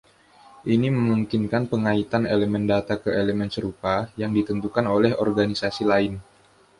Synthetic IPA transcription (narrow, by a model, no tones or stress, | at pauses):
ʔiniməmuŋkinkanpəŋait̪aneləmɛndat̪akəeləmɛnsəɾupajaŋdit̪ənt̪ukanolɛɦɔrɡanisasilaɪn